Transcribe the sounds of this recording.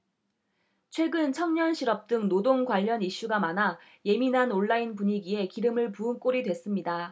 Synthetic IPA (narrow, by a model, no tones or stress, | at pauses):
t͡ɕʰwe̞ɡɯnt͡ɕʰʌŋɲʌnɕʰiɾʌp̚t͈ɯŋnodoŋkwaʎːʌniɕ͈uɡamana | je̞minɦanoɭːainpuɲiɡie̞kiɾɯmɯɭpuɯnk͈oɾidwe̞s͈ɯmɲida